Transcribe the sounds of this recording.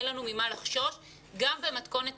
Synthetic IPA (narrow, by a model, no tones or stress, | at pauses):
lanumimalaχʃo̞ʃ | ɡambe̞mat̪ko̞ne̞t̪